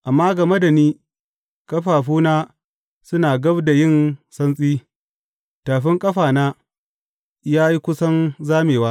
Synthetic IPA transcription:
ʔa˨mːaː˦ɡɐ˨me˦da˨niː˦ | kʼɐ˦ɸaː˨ɸuː˦naː˦ | sʊ˦naː˨ɡɐ˦bda˨jɪ˦˨nsɐ˦nsʼiː˦ | taː˨ɸɪ˦ŋkʼɐ˦ɸaː˨naː˦ | jaː˦ji˦kʷʊ˦sɐ˦nzaː˦meː˨waː˦

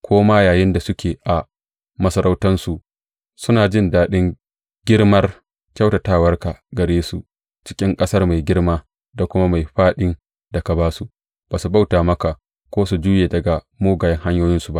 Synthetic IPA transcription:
kʷʰoː˦maː˦jaː˨jɪ˦nda˨sʊ˦kʲeː˨ʔa˨ | mɐ˦sɐ˦ɾʔa˦wtɐ˦nsu˨ʔ | sʊ˦naː˨d͡ʒɪ˦ndaː˦ɗɪ˦ŋ | ɡʲɪ˦rmɐ˦r | kʲa˦wta˨taː˦˨wɐ˦rka˨ɡɐ˨ɽeː˦su˨ | t͡ʃɪ̥˦kʲʼɪ˦ŋkʼɐ˦sɐ˦rma˨jɡʲɪ˦rmaː˦ | da˨kʷʊ˦ma˦ma˨jɸaː˦ɗɪ˦n | da˨ka˨baː˦su˨ | b̥aː˨su˨ba˦wtaː˨mɐ˦ka˨ | kʷoː˦su˨d͡ʒuː˦jeː˨dɐ˨ɡa˨ | moː˦ɡaː˨jɛ˦ŋɦa˦ɲjoː˦jɪ˦nsu˨ba˦ʔ

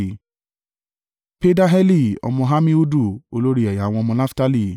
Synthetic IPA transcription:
pe˦da˦ɦɛ˦li˦˨ɔ̰˧mɔ̃˧ɦa˦mĩ˦u˦du˦˨o˧lo˦ɾi˦ɛ˨ja˨wɔ̃˧mɔ̃˧na˦fta˦li˦˨

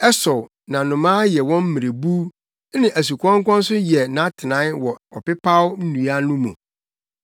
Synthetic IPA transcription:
ɛ˦sɔ˨ | nã˨nʊ̃˨mãː˦jɛ˨wɔ̃˦m̩˦mĩ˨ɾe˨bu˦ | nɪ̃˨ʔæ˨s̬u˨kʰʷɔ̃˦ŋ˦kʷɔ̃˦n̩˦sʊ˦jɛ˨nã˨˦tʰɪ˨nã˨˦wɔ˨ɔ˨pɪ˦pʰa˦wn̩˦nũ˨a˦nũ˦mũ˨

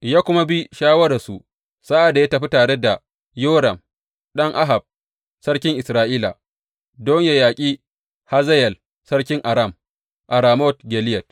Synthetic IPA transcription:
jaː˦kʷʊ˦ma˦bi˦ʃaː˦wɐ˦ɽa˨su˨ | sa˦ʔa˨da˨ja˦tɐ˨ɸi˦taː˨ɽe˦da˨ | joː˦ɾɐ˨m | ɗɐ˦ŋʔa˦ɦa˨b̚ | sɐ˦ɽkʲɪ˦ŋʔɪ˨sɾaː˦ʔiː˦la̰˨ | dɔ˦ɲja˨jaː˨kʲʼiː˦ | ha˦zɐ˦jɛ˨l | sɐ˦ɽkʲɪ˦ŋʔa˨ɾa˦˨m | ʔa˨ɾaː˨mɔ˦t̚ɡʲɛ˨lɪ˦jɛ˨t̚

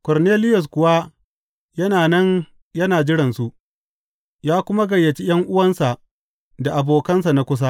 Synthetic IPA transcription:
kɔ˨rneː˦lɪ˦jʊ˨s̬kʷʊ˨wa˦ | jɐ˦naː˨nɐ˦n | jɐ˦naː˨d͡ʒɪ˦ɽɪ˨nsu˦ʔ | jaː˦kʷʊ˦ma˦ɡɐ˨jːɐ˨t͡ʃi˦j̰ɐ˦ŋʔʊ˦wɐ˦nsa˨ʔ | da˨ʔa˨boː˨kɐ˦nsa˨na˦kʷʊ˦s̬a˦

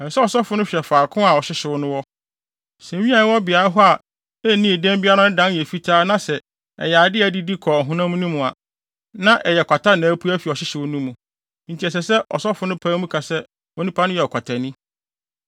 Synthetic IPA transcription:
ɛ̃˨n̩˨sɛ˦ɔ˨sɔ˦fʊ˨˦nʊ̃˦ɕᶣɛ˨faː˨kʰʊ̃˦a˨ɔ˨ɕɪ˦ɕɪ˨wʊ˦nʊ̃˦wɔ˦ | sɛ̃˨ɲĩ˦ã˨ñ˦wɔ˦bɪ˨a˨ɾa˦ɦɔ˦a˨ | ɛ˦˨nĩ˦e˨dɛ̃˦mbɪ˦a˦ɾã˦nʊ̃˦dã˦n˦jɛ˨fi˦tʰaː˦nã˦sɛ˨ | ɛ̰˨jɛ˨a˨dɪ˦æ˨di˦di˦kʰɔ˨a˨ɦũ˦nã˦mũ˦nũ˦mũ˨a̰˨ | nã˦ʔɛ˨jɛ˨kʷa˨tʰa˦nã˨˦pʰu˦æ˦fi˨ɔ˨ɕɪ˦ɕɪ˨wʊ˦nũ˦mũ˨ | n̩˨tʰi˨ɛ˨s̬ɛ˨sɛ˦ʔɔ̰˨sɔ˦fʊ˨nʊ̃˦pʰãː˦mũ˦kʰa˨sɛ˦ | ɔ˨nĩ˦pʰa˦nʊ̃˦jɛ˨ɔ˨kʰa˨tʰa˨nĩ˦

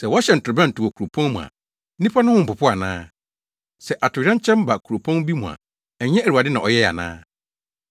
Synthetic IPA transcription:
sɛ˨wɔ˦ɕɛ˨n̩˨tʊ˨ɾʊ˨bɛ̃˦n̩˨tʰʊ˨wɔ˨kʰu˨ɾo˨pʰɔ̃˦n˦mũ˨a̰˨˦ | nĩ˦pʰa˦nʊ̃˦hʊ̃˦m̩˨pʊ˨pʰʊ˦a˨nãː˦ | sɛ˨ʔa˨tʊ˨˦ɾã˦ɲ˦t͡ɕʰɛ̃˦m˦ba˨kʰu˨ɾo˨pʰɔ̃˦n˦bi˦mũ˨a̰˨ | ɛ˨ɲɛ̃˦æ˨u˨a˨dɪ˦nã˨ʔɔ˨jɛ˦˨a̰˨nã̰ː˦

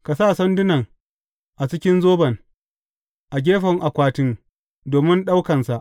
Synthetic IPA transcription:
ka˨saː˦˨sɐ˦ndʊ˦nɐ˨ŋ | ʔa˨t͡ʃɪ˦kʲɪ˦nzoː˦bɐ˨ŋ | ʔa˨ɡʲeː˦ɸɐ˨ŋʔa˨kʷaː˦tɪ˦ŋ | doː˨mɪ˦nɗa˦wkɐ˨nsa˨ʔ

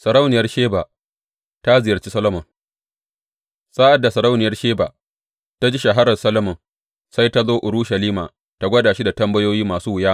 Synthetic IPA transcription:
sɐ˨ɾa˦wnɪ˨jɐ˦rʃeː˦baː˨ | ta˦zɪ˨jɐ˨rt͡ʃi˦sɐ˦lɐ˦mɐ˨ŋ | sʼaː˦ʔa˨da˨sɐ˨ɾa˦wnɪ˨jɐ˦rʃeː˦ba˨ | ta˦d͡ʒiː˦ʃɐ˨ɦa˦ɾɐ˨rsɐ˦lɐ˦mɐ˨ŋ | sa˦jta˦zoː˦ʔʊ˨ɽuː˦ʃɐ˨liː˦maː˨ | ta˦ɡʷɐ˦daː˨ʃi˦da˨tɐ˦mbɐ˦joː˦jiː˦maː˨suː˦wʊ˨jaː˦

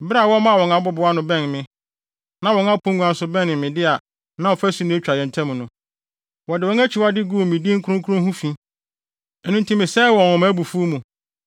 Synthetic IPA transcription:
bɪ˦ɾa˨wɔ˦mã˦˨wɔ̃˨ŋã˨˦bɔ˦bʊ˨˦a˦nʊ̃˨bɛ̃˦˨nmɪ̃˨ | nã˦wɔ̃˨˦ŋa˦pʰũ˦ŋ˦ɡʷu˨˦ã˨n̩˦sʊ˦bɛ̃˦nɪ̃˨mɪ̃˨dɪ˦a˨ | nã˦wɔ˨fæ˦su˦nʊ̃˦e˦t͡ɕᶣa˨jɛ˨ntʰɛ̃˦m̃˨nʊ̃˨ | wɔ˨dɪ˨wɔ̃˦næ˦t͡ɕʰi˨wa˦dɪ˦ɡu˦o˨mĩ˨di˦ŋ̩˦kʰɾʊ̃˦ŋkʰɾʊ̃˦hũ˦fĩ˦ | ɛ˨nũ˦ntʰũ˦mɪ̃˨sɛ˦wɔ̃˨ɔ̃˨mã˦bu˨fu˦mũ˨

